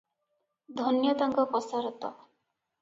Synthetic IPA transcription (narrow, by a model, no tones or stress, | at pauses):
d̪ʱɔnjɔt̪aŋkɔpɔsaɾɔt̪ɔ̰